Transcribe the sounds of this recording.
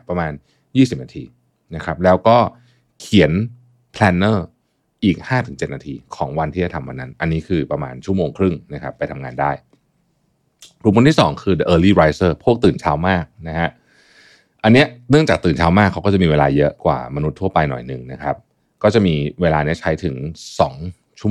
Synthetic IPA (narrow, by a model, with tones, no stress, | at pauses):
pɾa˧maː˧n | jiː˥˩si˨˩p̚naː˧t̪ʰḭː˧ | na˦˥kʰɾa˦˥p̚lɛː˦˥wkɔː˥˩ | kʰi˨˩˦ən | pʰlɛː˧nːɤː˥˩ | ʔiː˨˩k̚haː˥˩t̪ʰɯ˩˦ŋt͡ɕe˨˩t̪̚naː˧t̪ʰiː˧kʰɔ̰ː˩˦ŋwa˧nt̪ʰi˥˩a˨˩t̪ʰa˧mwa̰˧nːa˦˥nʔa˧nːiː˦˥kʰɯː˧pɾa˧ma̰ː˧nt͡ɕʰu˥˩moː˧ŋkʰɾɯ˥˩ŋna˦˥kʰa˦˥pːa˧jt̪ʰa˧ŋaː˧ndaː˥˩j | ɾkʰo˧nt̪ʰiː˥˩sɔː˩˦ŋkʰɯː˧də˧ʔɤː˧liː˥˩ɾaː˧jsɤː˥˩pʰu˥˩ək̚t̪ɯː˨˩nt͡ɕʰaː˦˥wmaː˥˩k̚na˦˥kʰa˦˥ʔ | ʔa˧nːi˦˥ɐnɯ˥˩əŋt͡ɕaː˨˩k̚t̪ɯː˨˩nt͡ɕʰaː˦˥wmaː˥˩kʰːa˦wkɔː˥˩t͡ɕa˨˩miː˧eː˧laː˧jɤ˦˥kwa̰ː˨˩ma˧nu˦˥t̪ʰːu˥˩ɐpa˧jnɔ̰˨˩jnɯ̰˨˩ŋna˦˥kʰɾa˦˥p̚ | kɔː˥˩t͡ɕa˨˩ʔmiː˧weː˧laː˧ni˦˥ɐt͡ɕʰa˦˥jt̪ʰɯ˩˦ŋsɔ̰ː˩˦ŋ | t͡ɕʰu˥˩